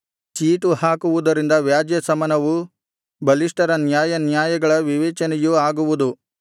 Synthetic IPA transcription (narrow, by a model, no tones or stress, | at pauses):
t͡ʃiːʈuhaːkuʋud̪ɐɾind̪ɐʋjaːd͡ʒjɐsɐmɐnɐʋu | bɐliʂʈɐɾɐnjaːjɐnjaːjɐɡɐɭɐʋiʋɛːt͡ʃɐnɛjuaːɡuʋud̪u